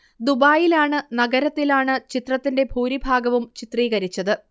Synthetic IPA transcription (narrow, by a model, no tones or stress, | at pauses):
d̪ubaːjilaːɳɨnɐɡɐɾɐt̪ːilaːɳɨt͡ɕit̪rɐt̪ːinde̞bʱuːɾibʱaːɡɐʋumt͡ɕit̪riːɣɐɾit͡ɕːɐðɨ